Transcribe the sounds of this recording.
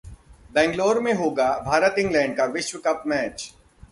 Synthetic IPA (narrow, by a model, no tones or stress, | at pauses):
d̪ɛ̃ːŋɡloːɾmẽɦoːɡabʱaːɾət̪ɪ̃ŋɡlɛ̃ːɳɖ̚kaʋɪʃʋɪkɐpmɛːt͡ʃ